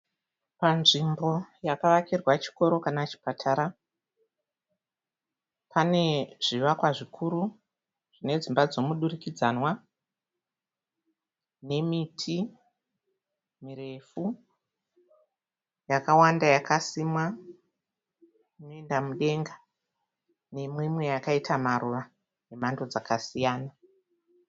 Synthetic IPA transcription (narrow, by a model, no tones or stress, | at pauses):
panʐimbo̞jakaʋakirwat͡ʃi̥ko̞ɾo̞kanat͡ʃi̥patʰaɾa | pane̞ʐ̥iʋakwaʐikʰuɾu | ʐ̥ine̞d͡zimbad͡zo̞muɗurikid͡zanwa | ne̞mitʰi | miɾe̞fu | jakawandajakasimwa | ino̞e̞ndamuɗe̞ŋɡa | ne̞mwimwe̞jakaitʰamaɾuʋa | je̞mando̞d͡zakasijaːna